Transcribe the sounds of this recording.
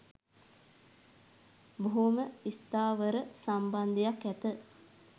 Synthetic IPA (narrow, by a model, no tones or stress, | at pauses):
boɦuməist̪aːʋəɾəsamband̪ijakɛt̪ə